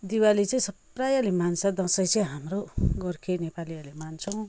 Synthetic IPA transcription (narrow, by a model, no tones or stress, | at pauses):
d̪iwalit͡sʌĩsʌprajalimansʌd̪ʌsʌjt͡sʌj̃ɦamroɡʌrkʰenepaliʌrlemant͡sʰʌw̃